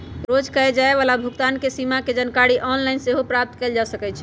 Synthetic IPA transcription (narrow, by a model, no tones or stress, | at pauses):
ɾod͡ʒkəed͡ʒaeʋalabʱuɡt̪ankesimaked͡ʒənkaɽiʔɔnlaɪnseɦopɾap̚t̪keld͡ʒasəkɛt͡ʃʰ